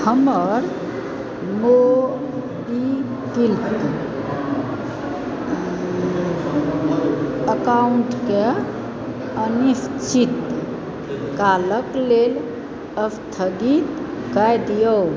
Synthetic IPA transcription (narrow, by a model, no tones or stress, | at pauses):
həməɾ | mo | bi | kilt̪ | əkauɳʈke | ənist͡ʃʰit̪ | kaləklel | əst̪ʰəɡit̪kajd̪ijo